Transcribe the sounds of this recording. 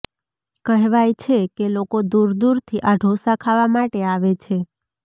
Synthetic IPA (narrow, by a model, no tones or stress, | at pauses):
kəɦʋajt͡ʃʰekelokod̪uɾd̪uɾt̪ʰiʔaɖʱosãkʰaʋamaʈeaʋet͡ʃʰe